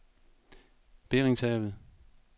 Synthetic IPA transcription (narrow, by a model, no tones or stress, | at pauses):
b̥e̝ʁeŋsɛʋð̩ˠ